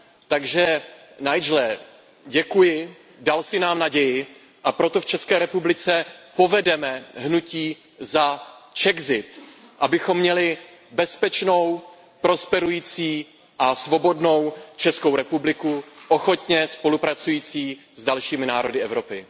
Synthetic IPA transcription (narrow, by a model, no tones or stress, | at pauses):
t̪aɡʒɛ | najd͡ʒlɛ | ɟɛkujɪ | dalsɪnaːmnaɟɛjɪ | ʔapɾo̞t̪o̞ft͡ʃɛskɛːɾɛpublɪt͡sɛpo̞vɛdɛmɛɦnuciː | zat͡ʃɛɡzɪt̪ | ʔabɪxo̞mːɲɛlɪ | bɛspɛt͡ʃno̞w | pɾo̞spɛɾujiːt͡siː | ʔasvo̞bo̞dno̞wt͡ʃɛsko̞wɾɛpublɪkuʔoxo̞t̪ɲɛspo̞lupɾat͡sujiːt͡siː | zdalʃiːmɪnaːɾo̞dɪɛvɾo̞pɪ